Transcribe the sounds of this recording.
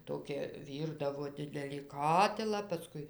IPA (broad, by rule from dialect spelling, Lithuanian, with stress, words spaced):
ˈtoːkʲɛ ˈʋʲiːrdɐʋoː ˈdʲɪdʲɛlʲiː ˈkɑːtʲɪlˠɑː pɐˈskʊɪ